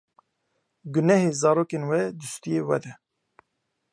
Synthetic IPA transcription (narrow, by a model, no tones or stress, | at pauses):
ɡʊnɛheːzɑːɾoːkenwɛd̪ɨst̪ijeːwɛ̰d̪ɛ